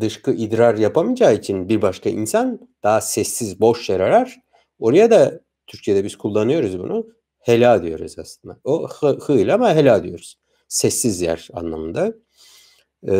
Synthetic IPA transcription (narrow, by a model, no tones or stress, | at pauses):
d̪ɯʃkɯʔid̪ɾaɾjapʰamɯd͡ʒaːit͡ʃʰinbiɾbaʃkaḭnsan | d̪̥aːsɛsːizbo̞ʃjeɾaɾæɾ̥ | o̞ɾajad̪a | t̪ʰyɾcʰijed̪ɛbizkʰulˠːanɯjo̞ɾuzbunʔu | helʲaːd̪ijo̞̰ɾṵzaslˠɯnd̪aohhɯlʲamaɦelʲaːd̪ijo̞ɾuz̥ | sɛsːizjæ̰ɾa̰nlˠamɯnd̪a